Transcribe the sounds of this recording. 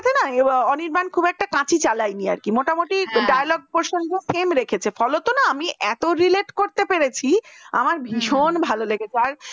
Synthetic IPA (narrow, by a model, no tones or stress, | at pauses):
t̪ʰenaɔniɾbankʰubɛk̚ʈakãt͡ɕʰit͡ɕalajnia̰ɾkimoʈamoʈiɖajalɔɡ̚poɾʃond̪ofʰemɾekʰet͡ɕʰefɔlot̪onaamiʔɛt̪oɾileʈkoɾt̪epeɾet͡ɕʰia̰maɾbʱiʃonbʱaloleɡet͡ɕʰeaɾ